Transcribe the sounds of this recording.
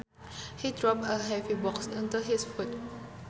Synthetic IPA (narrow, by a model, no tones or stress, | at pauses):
hidɹɔp̚əɦɛvibɔksãndəɦisfut̚